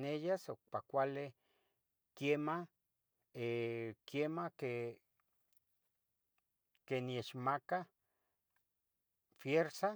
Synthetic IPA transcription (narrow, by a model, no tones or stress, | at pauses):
nejasok̚pakʷale | kema | ekjemake | kenieʃmaka | fjeɾsa